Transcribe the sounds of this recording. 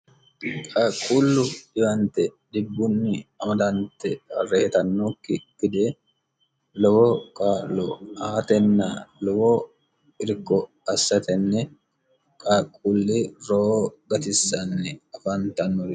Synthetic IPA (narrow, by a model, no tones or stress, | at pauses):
kʼaːkʼːuːlːʊdɪbɐnt̪ɛd̪ɪbːʊnːɪɐmɐd̪ɐnt̪ɛhɐ̰reːt̪ɐnːokːɪkɪd̪eː | lɔwɔkʼaːlɔaːt̪ɛnːalɔwɔ | ɪɾkːɔ | ɐsːɐt̪ɛnːɛ | kʼaːkʼːulːɪɾoɡɐt̪ɪsːɐnːɛɐfɐnt̪ɐnːɔɾ